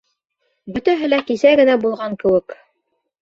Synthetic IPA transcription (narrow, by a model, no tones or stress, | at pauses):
bɵ̆t̪æɦɘlækisæɡɘ̆næbulˠʁɑŋkɘ̆wɘk